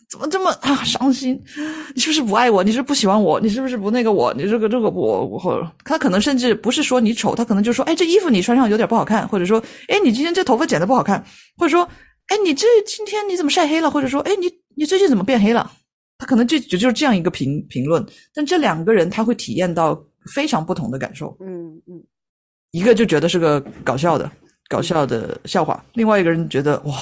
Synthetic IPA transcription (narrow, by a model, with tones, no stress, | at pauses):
t͡sə˨˩mə˦ʈ͡ʂə˥˩mə˩a˥˩ʂɑ˥ŋɕi˥nni˨˩ʂɻ̩˥˩bʂɻ̩˥˩pu˧˥a˥˩ɪwɔ˨˩ni˨˩ʂɻ̩˥˩˧pu˥˩ɕi˨˩xwa˧˥nwɔ̰˨˩˦ni˨˩ʂɻ̩˥˩bu˩ʂ̬ɻ̩˥˩pu˧˥ne˥˩ɡə˩wɔ̰˨˩nḭ˨˩ʈ͡ʂɤ˥˩ɡə˩ʈ͡ʂɤ˥˩ɡə˧˩pɔ̰˧˩˧xt̪ʰa˥kʰɤ˨˩nɤ˧˥ŋʂə˥˧nʈ͡ʂɻ̩˥˩pu˧˥ʂɻ̩˥˩ʂwɔ˥ni˧˥ʈ͡ʂʰo˨˩ʊt̪ʰa˥kʰn˧ŋt͡ɕo˥˧˥wɪʈ͡ʂɤ˥˩i˥fu˧˩ni˨˩ʈ͡ʂʰwa˥nʂɑ˥˩ŋjt̪jpu˥˩xɑ˨˩kʰa˥˩nxwɔ˥˩ʈ͡ʂɤ˨˩ʂ̬wɔ˥e˥˩ɪni˨˩t͡ɕi˥nt̪ʰɛ˥ʈ͡ʂɤ˥˩t̪ʰʊft͡ɕɛ˨nd̪ə˦pu˥˩xɑ˨˩ʊkʰa˥˩n | xwɔ˥˩ʈ͡ʂɤ˨˩ʂwɔ˥ | e˥ɪni˨˩t͡s̩˥˩˥t͡ɕi˥nt̪ʰjɛ˥nni˧˥t͡sə˨˩mə˦ʂa˥˩ɪxe˥ɪlə˨xwɔ˥˩ʈ͡ʂɤ˨˩ʂwɔ˥ʔe˥˩ɪni˧˥˦ | ni˨˩t͡swɪt͡ɕi˥˩t͡sə˨˩mə˦pjɛ˥˩nxe˥ɪlə̰˨ | t̪ʰa˥kʰnɤ˧˥ŋt͡ɕjo˥˧˩t͡ɕt͡ɕo˥˧ʂ̩˥ʈ͡ʂɤ˥˧jɑ˥˩ŋi˧˥ɡə˧pʰi˧˥ŋpʰi˧˥ŋlwə˥˩n | t̪a˥˧nʈ͡ʂɤ˥˩ljɑ˨˩ŋɡə˦ɻə˧˥nt̪ʰa˥xwɪt̪ʰḭ˨˩jɛ˥˧nt̪ɑ˥˩ʊ | fe˥ɪʈ͡ʂʰɑ˧˥ŋpu˥˩t̪ʰʊ˧˥ŋd̪ə˧ka̰˨˩nʂo̰˥˩ʊ | i˧˥ɡə˧t͡ɕjo˥˩ʊt͡ɕɥɛ˧˥d̪ə˧ʂɻ̩˥˩ɡə˩kɑ˨˩ʊɕ̬jɑ˥˩ʊd̪ə̰˩ | kɑ˨˩ʊɕjɑ˥˩ʊd̪ə̰˩ɕjɑ˥˧ʊxwa̰˥˩li˥˧ŋwa˥˧ɪi˧˥ɡə˩ɻə˧˥nt͡ɕɥɛ˧˥d̪ə̰˧wɔ˥˩